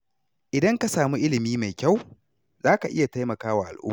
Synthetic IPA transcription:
ʔɪ˨dɐ˦ŋka˦saː˨mu˦ʔɪ˦lɪ˨miː˦ma˨jkʲa˦w | zaː˦ka˨ʔɪ˦ja˨ta˦jmɐ˨kaː˦waː˨ʔa̰˨lʔʊ̰˦mː˨

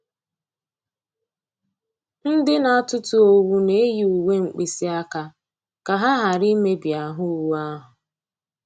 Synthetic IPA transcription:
n̩˦dɪ˦na˨˦tʊ˦tʊ˨o˦wu˦ne˦ji˨u˨we˦ŋ͡m̩˨k͡pi˨si˦a˦ka˦ | ka˨ɦa˦ɦa˨ɾi˦me˦bja˨ɦʊ˦wu˦a˦ɦʊ˨

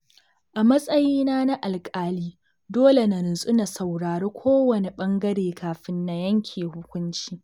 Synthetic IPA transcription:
ʔa˨mɐ˦sʼɐ˦jiː˦naː˦na˦ʔa˨lkʼaː˦liː˦ | doː˦le˨na˨ɾʊ˨nsʼʊ˦na˨sɐ˨wɽaː˨ɾeː˦kʷʰoː˦wɐ˨ne˨ɓɐ˦ŋɡɐ˦ɽeː˨kʰaː˨ɸɪ˦nːa˨jɐ˦ŋkʲʰeː˨hʊ˦kʷʊ˦nt͡ʃiː˦

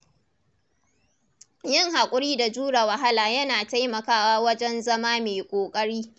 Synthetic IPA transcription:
jɪ˦ŋɦa˨kʷʼʊ˦ɽiː˦da˨d͡ʒuː˦ɽa˨wɐ˨ɦa˦laː˨jɐ˦naː˨ta˦jmɐ˨kaː˦waː˦wɐ˦d͡ʒɛ˦nzɐ˦maː˦meː˨kʷʼoː˨kʼɐ˦ɽiː˦

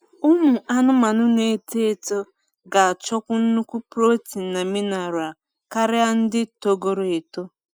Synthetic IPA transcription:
ʊ˦mu˨a˦nʊ˦ma˨nʊ˦ne˨˦te˦e˨to˦ | ɡa˨a˨t͡ʃɔ˦kʷʊ˦n̩˦nu˦kʷu˦pɾo˦ti˨n̩˨na˨mi˦na˨ɾʊ˨a˨ | ka˦ɾɪ˦a˦n̩˦dɪ˦to˦ɡo˦ɾo˨e˨to˦

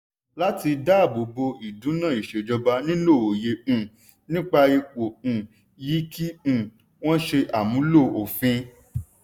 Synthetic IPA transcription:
la˦ti˧da˦a˦˨bo˨bo˧i˨dũ˨˦nãː˦˨i˨ʃe˨d͡ʒɔ˧ba˧nĩ˦lo˦˨o˨jẽ˨˧˨ | nĩ˦k͡pa˧e˧k͡põ˨ | ji˨˦kĩ˦˨ | w̃ɔ̃˦ʃe˧ʔa˨mũ˨˦lo˦˨o˨fĩ˧

